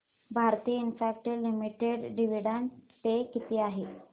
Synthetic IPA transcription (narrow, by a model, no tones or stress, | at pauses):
bʱaɾt̪iːinfak̚ʈelimiʈeɖɖiʋiɽantekit̪iːaɦe